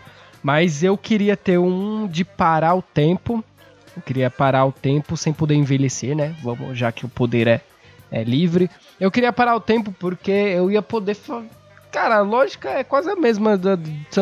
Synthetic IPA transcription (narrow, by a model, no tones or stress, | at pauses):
mɐzewkɪɾiɐt̪eɾũd͡ʒɪpaɾaʊt̪ẽpʊ | ewkɪɾiɐpaɾaʊt̪ẽpʊsẽj̃pod̪eɾẽveleseɾnɛvɐ̃mʊ̰ʒakɪʊpod̪eɾɛ | ɛ̰livɾɪ | ewkɪɾiɐpaɾaʊt̪ẽmp̬ʊpoɾkeewiɐpod̪efa | kaɾɐɐlɔʒikɐɛkwazɪɐmezmɐd̪ɐs